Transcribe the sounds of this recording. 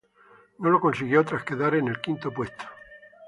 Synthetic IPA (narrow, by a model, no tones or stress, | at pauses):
nolokonsiɣjot̪ɾaskeðaɾenelkint̪opwest̪ʰo̥